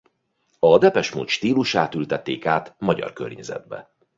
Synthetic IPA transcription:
ɒd̪ɛpɛʃmṵːt̪ʃt̪iːluʃaːt̪ylt̪ɛt̪ːeːkaːt̪mɒɟɒ̰rkø̰rɲɛzɛ̰d̪̚bɛ̰

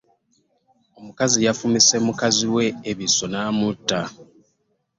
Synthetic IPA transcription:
o̞mukazijafumise̞mukaziwe̞ːβiso̞naːmutːa

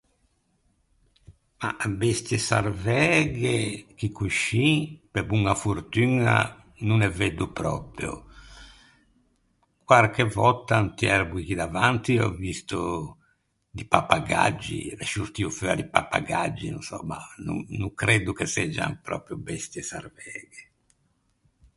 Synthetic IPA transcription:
ma̰best̪jɛsa̰ɾvɛɡɛk̟ikːuʃːipebuŋafuɾt̪yna̰ | nunɛved̪upɾɔ̰pjṵ | kwaɾkevɔt̪ːant̪iɛɾbuik̟id̪avant̪iɔ̰vist̪u | d̪ipapːaɡa̰d͡ʒːḭɛʃust̪iuføad̪ipapːa̰ɡad͡ʒːinunsɔ̰ma̰nṵŋnuŋkɾɛd̪ukesɛd͡ʒa̰npɾɔ̰ːpɾjubɛst̪jɛsa̰rvɛːɡɛ

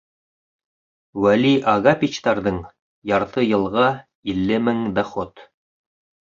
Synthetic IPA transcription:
wæliʔɑɣapʲit͡ɕt̪ɑɾðɤɴ | jɑɾt̪ɤjɤ̆lˠʁɑ | ilːɘmɘŋd̪æχot̪

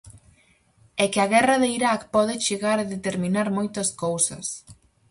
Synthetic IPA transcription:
ɛkɪɐɣɛrɐðeiɾakpɔðɪt͡ʃeɣaɾaðet̪eɾmĩnaɾmojt̪ɐskowsɐ̰s

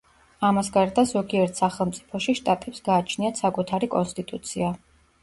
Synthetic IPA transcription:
amasɡaɾd̪azɔɡiɛɾt̪ʰsaχɛlˠmt̪sʼi̥pʰɔʃiʃt̪ʼat̪ʼɛpsɡaːt͡ʃʰniat̪sakʼut̪ʰaɾikʼɔ̰nst̪ʼit̪ʼut̪sʰia

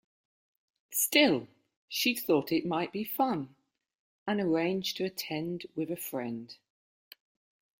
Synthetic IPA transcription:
stɪlˠ | ʃiθɔˑtʰɪʔmaɪʔb̥ifʌ̃n | ə̃nəɹẽɪ̃nd͡ʒ̥tʰəːtʰɛ̃ndwɪðəfɹɛ̃nd̥

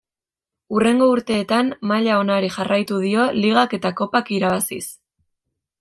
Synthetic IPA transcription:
ure̞ŋɡo̞uɾt̪e̞ːt̪amːaʎao̞naɾixarʔajt̪uð̞io̞liɣake̞t̪ako̞pakiɾaβasḭs

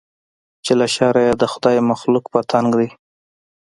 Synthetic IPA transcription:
t͡ʃelaʃɑɾajɑd̪əxʊd̪ɑjmaxlukpət̪ʰaŋɡd̪i

